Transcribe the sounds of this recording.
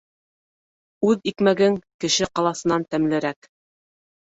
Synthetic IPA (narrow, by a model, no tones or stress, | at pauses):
ʉðikmæɡɘŋkɘ̆ʃɘqɑlˠɑsɤ̆nɑnt̪æmlɘ̆ɾæk